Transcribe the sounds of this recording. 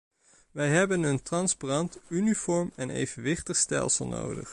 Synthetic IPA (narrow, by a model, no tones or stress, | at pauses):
ʋɛjɦɛbənɵntrɑnsparɑntynifɔɹmɛnḛjvənʋɪχtəχstɛ̰lˠsəlˠno̰wdə̰χ